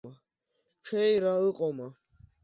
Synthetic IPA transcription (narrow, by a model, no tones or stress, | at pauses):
a | t͡ʃʰɛjɾaɯqʼɔma